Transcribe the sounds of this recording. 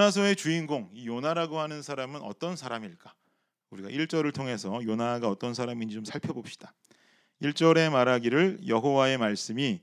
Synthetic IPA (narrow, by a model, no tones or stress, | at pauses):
as̬ʰʌe̞t͡ɕuinɡoŋijonaɾaɡoɦanɯnsʰaɾamɯnʌ̰t͈ʌnsʰaɾamiɭk͈a | uɾiɡa̰ʔiɭt͡ɕ͈ʌɾɯɭtʰoŋe̞sʰʌjonaɡaʌt͈ʌns̬ʰaɾamiɲd͡ʑit͡ɕomsʰaɭpʰjʌbop̚ɕ͈i̥d̥a | iɭt͡ɕ͈ʌɾe̞maɾaɡiɾɯɭjʌɦowae̞maɭs͈ɯmi